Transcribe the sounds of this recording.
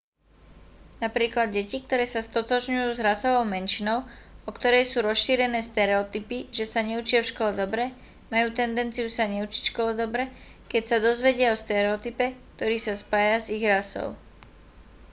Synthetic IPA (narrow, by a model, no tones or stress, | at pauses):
napɾiːklad̪̚ɟɛcik̚t̪ɔɾɛːsast̪ɔt̪ɔʒɲujuːzɾasɔʋɔʊmɛnʃinɔʊɔkt̪ɔɾɛjsuːɾɔsʃiːɾɛnɛːst̪ɛɾɛɔt̪ipiʒɛsaɲɛut͡ʃɪafʃkɔlɛd̪ɔbɾɛ | majuːt̪ɛnd̪ɛnt͡sijusaɲɛut͡ʃi̥cʃkɔlɛd̪ɔbɾɛ | kɛcsad̪ɔzʋɛɟɪaɔst̪ɛɾɛɔt̪ipɛk̚t̪ɔɾiːsaspaːjaziɣɾasɔ̰ʊ